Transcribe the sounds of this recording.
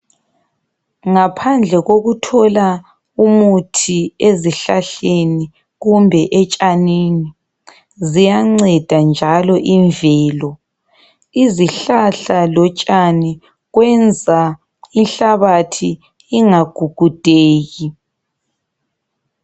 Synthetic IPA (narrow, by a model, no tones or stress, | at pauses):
ŋapʰand͡ɮʱɛɣoɣutʰɔla | umutʰieziɬaɬeni | ɣumbʱɛʔɛt͡ʃʼanini | zijaŋ͡ǀɛd̥ʱand͡ʒʱalɔʔiɱvɛːlɔ | iziɬaɬalɔt͡ʃʼani | ɣwɛnd͡zʱa | inɬaβatʰiː | ŋaɡ̥ʱuɡ̥ʱud̥ʱeːɣi